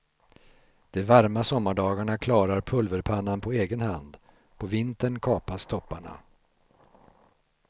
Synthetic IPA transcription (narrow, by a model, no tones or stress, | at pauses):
d̪̥ɛvaɾmasɔmːaɖɑːɡaɳakʰlɑːɾaɾpʰɵlvəɾpʰanːanpʰɔeːɡənhand̪ | pʰɔvɪnt̪əɳkʰɑːpast̪ʰɔpːaɳa̰